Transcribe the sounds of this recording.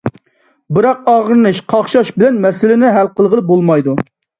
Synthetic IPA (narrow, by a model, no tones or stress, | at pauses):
bɨɾɑqɑʁəɾɨnɨʃqʰɑχʃɑʃbɪlɛnmɛsɪlɪnɪɦælqəlˠʁəlˠɨp̚bolˠmɑjd̪u